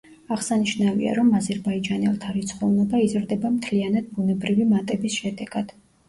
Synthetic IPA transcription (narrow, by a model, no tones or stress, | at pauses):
aʁsaniʃnavḭa̰ɾɔmazɛɾbaid͡ʒanɛlˠt̪ʰaɾit̪sʰχɔvnɔbaizɾd̪ɛbamt̪ʰlianad̪̚bunɛbɾivimat̪ʼɛbisʃɛd̪ɛɡ̥ad̪̥